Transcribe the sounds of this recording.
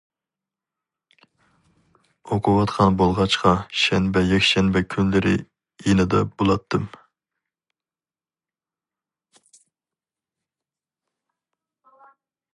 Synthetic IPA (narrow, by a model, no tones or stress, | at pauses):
oqʰʊwɑt̪qʰɑnbolˠʁɑt͡ʃqɑʃɛnbɛjɛkʲʃɛnbɛkʲʰynlɪɾɪ̰ | jenɨd̪ɛb̥olˠɑt̪ʰːɨm